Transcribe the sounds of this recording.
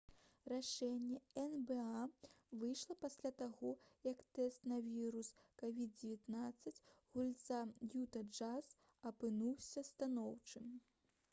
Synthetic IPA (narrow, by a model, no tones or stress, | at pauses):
raʂɛnʲːɛɛnbɛavɨjʂlˠɐpasʲlʲat̪aɣɔjɐkt̪ɛst̪nɐvʲiɾuskavʲid̪̚d͡zʲɪvʲɛt̪nat̪sːɐt͡sʲɣulʲt̪sajut̪ɐd͡ʐas | ɐpɨnuwsʲɐst̪anɔwt͡ʂɨm